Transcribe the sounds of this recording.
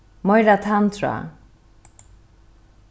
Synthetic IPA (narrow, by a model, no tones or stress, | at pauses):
mʌjɾat̪ʰant̪ʰra̰